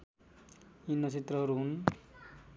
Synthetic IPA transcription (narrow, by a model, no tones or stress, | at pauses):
inːʌt͡sʰit̪rʌɦʌɾuɦun